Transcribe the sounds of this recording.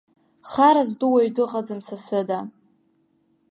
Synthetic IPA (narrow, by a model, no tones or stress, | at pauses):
χaɾazduwaɥdɨqʼad͡zɨmsasɨda